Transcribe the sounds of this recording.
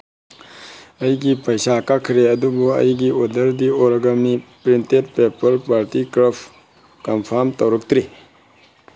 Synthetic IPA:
ɐjɡipɐjʃakɐkʰɾeɐd̪uboɐ̰jiɡiod̪ɐɾd̪ioɾɐɡɐmipɾintet̚pepəɾpaːɾt̪ikɾəf | kɐmfʰamt̪ɐɾukt̪ɾi

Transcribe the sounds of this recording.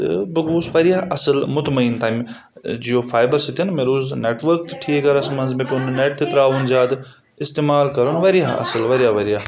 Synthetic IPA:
t̪ɨ̰bɐɡuːsʋɐɾijaɐsɨlmʊt̪mɐint̪ʰaːm | d͡ʒijofʰaːjbɐɾsit̪ɐnmeɾuːzneːʈʋɐɾk̚t̪ʈʰiɡɐɾɐsmɐnzmepʲunneʈ̚t̪it̪ɾaːʋunzaːd̪ | ɪst̪eːmaːlkɐɾɐnʋɐɾijaɐ̰sɨlʋɐɾijaʋɐɾijaː

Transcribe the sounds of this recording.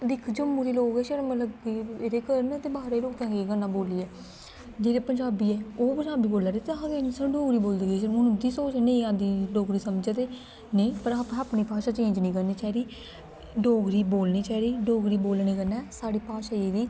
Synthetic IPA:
d̪ɪkʰd͡ʒəmːuːɾiːloːkɛːʃeɾmət̪ləbiːeɾeːkəɾənt̪eːbaːɾeːloːkãːɡekənːãːboːliːɛː | d͡ʒeːleːpəɲd͡ʒaːbiːɛːoːpəɲd͡ʒaːbiːboːlaːɾeːt̪eɡenisə̃ɖoːɡɾiːboːld̪ɡeːmʊnũd̪iːsoːt͡ʃːnẽiãːd̪iːɖoːɡɾiːsəmd͡ʒɛt̪eː | neĩːpəɾpaːpɳiːpaːʃaːt͡ʃẽːɲd͡ʒnĩːkəɾniːt͡ʃaːɾiː | ɖoːɡɾiːboːlniːt͡ʃaːɾiːɖoːɡɾiːboːlniːkənːɛːsaːɽiːpaːʃaːeːd̪iː

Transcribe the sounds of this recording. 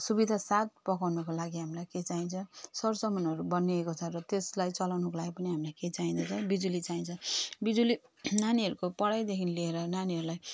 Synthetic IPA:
subid̪ʱasat̪̚pʌkawnʌkolaɡiɦamilajket͡saĩnt͡sʰʌsʌrsʌmʌnʌɾubʌniekot͡sʰʌrʌt̪eslajt͡sʌlawnʌkolaɡipʌniɦamilajket͡saĩnt͡s̪ʰʌt͡sʰʌbid͡zulit͡saĩnt͡sʰʌbid͡zuli | naniɦʌɾukopʌɽajd̪ekʰinlieɾʌnaniɦʌɾulaj

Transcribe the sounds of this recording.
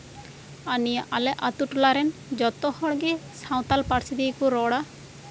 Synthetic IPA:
anijaʔalɛʔat̪uʈlaɾɛnd͡ʒɔt̪ɔhɔɽɡesaw̃t̪alpaɽsid̪ikuɾɔɽa

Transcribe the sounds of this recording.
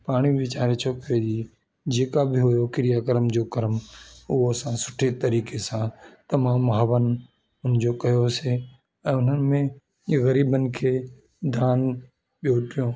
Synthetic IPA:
paːɽ̃iʋɪt͡ʃaːɾet͡ʃʰokɾed͡ʒiː | d͡ʒeːkabʱɪɦoːjokɪɾɪjakəɾəmd͡ʒoːkɐɾmʊɦosãsʊ̥ʈʰet̪ɐɾiːkesãt̪ɐmaːmɦəʋən | ʊnd͡ʑokɐjose | ɛ̃ːʊnənɪ̆mẽ | ɣɐɾiːbənɪ̆kʰe | d̪ʱaːn | ɓjoːʈɪjõː

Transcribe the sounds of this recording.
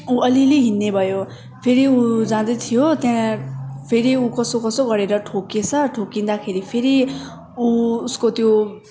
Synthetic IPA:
uʔʌliliɦinːebʱʌjo | pʰeɾiud͡zãd̪ʌt̪ʰijot̪jãpʰeɾiukʌsokʌsoɡʌɾeɾʌʈʰoket͡sʰʌʈʰokind̪akʰeɾipʰeɾi | uuskot̪jo

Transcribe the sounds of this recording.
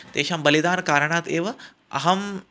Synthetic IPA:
t̪eːʃaːmbɐlid̪aːnkaːɾəɳaːt̪eːʋɐ | ɐ̰ɦɐm

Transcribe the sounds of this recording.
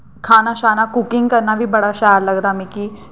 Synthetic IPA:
kʰaːnaʃaːnakʊkɪ̃ŋɡkəɾnabʱibɐɽaʃajad̪lɐɡd̪amĩki

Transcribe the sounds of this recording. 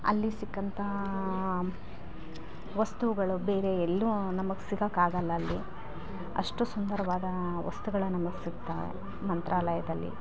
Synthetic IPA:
ɐ̰lːisikːɐnt̪ʰɐ | ʋɐst̪uʋuɡɐɭube̞ːɾe̞ːlːunɐmɐɡesiɡakaːɡɐlːɐːlːi | ɐ̰ʂʈusund̪ɐɾɐʋaːd̪ɐʋɐ̰st̪uɡɐɭɐnɐmɐɡesiɡt̪aːɾḛ | mɐnt̪ɾʔaːlɐjɐd̪ɐlːḭ

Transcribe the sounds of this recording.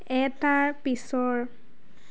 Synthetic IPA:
ɛtaɹpisɔɹ

